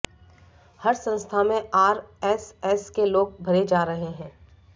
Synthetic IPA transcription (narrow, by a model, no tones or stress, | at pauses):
hɐɾsə̃nst̪ʰamẽaːɾɛsɛskeloːɡ̚bʱɐɾed͡ʒaːɾɐɦeɦɛ̃ː